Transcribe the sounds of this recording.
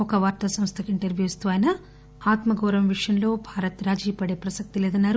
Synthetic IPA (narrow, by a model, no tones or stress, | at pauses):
ɔkɐʋaːɾt̪ɐsɐmst̪ʰɐkiɳʈɐɾʋjuːst̪uaːjnɐ | aːt̪mɐɡɐːɾɐmʋiʂjɐnlo̞ːbʱaːɾɐt̪ɾaːd͡ʒiːpɐɽeːpɾɐsɐk̚t̪ilɛːd̪ɐnːaːɾu